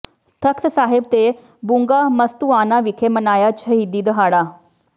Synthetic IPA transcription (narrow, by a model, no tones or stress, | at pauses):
t̪ʰəkt̪saɦebt̪e | buŋɡaməst̪uanaʋikʰemənajat͡ɕʰəɦid̪iːd̪əɦaɽa